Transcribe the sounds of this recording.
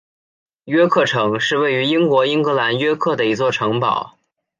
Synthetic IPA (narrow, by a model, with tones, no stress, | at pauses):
ɥɛ˥kʰɤ˥˩ʈ͡ʂʰɤ˧˥ŋʂɻ̩˥˧we˥˩ɪy˧˥i˥ŋkwɔ˧˥i˥ŋkɤ˧˥la˧˥nɥɛ˥kʰɤ˥˩d̪ə˩i˧˥t͡swɔ˥˩ʈ͡ʂʰɤ˧˥ŋpɑ˨˩˦ʊ